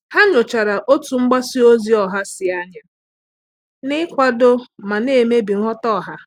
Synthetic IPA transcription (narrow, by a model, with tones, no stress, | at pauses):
ha˦ɲʊ˨t͡ʃa˨ɾa˨ʔo˦tu˨ŋ͡m̩˦ɡ͡ba˦si˦o˦zi˦ɔ˨ɦa˦sɪ˨a˦ɲa˦ | nɪ˦kʷa˦do˦ma˨ne˦˨me˦bi˨ŋʷɔ˦tɔ˦˨ɦa˦